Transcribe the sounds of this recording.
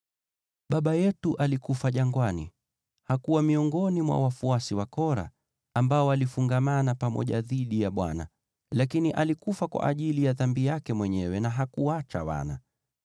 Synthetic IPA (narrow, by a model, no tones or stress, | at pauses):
ɓaɓajɛtuʔalikufaʄaŋɡwanḭ | hakuwamiɔŋɡɔnimwa̰wafuasiwakɔɾa̰ː | mbaɔalifuŋɡamanapamɔ̰ʄaðiɗijaɓwa̰na | lakiniʔalikufakwa̰ʔaʄilijaðambijakɛmwɛɲɛwɛnaɦakuat͡ʃa̰wa̰na̰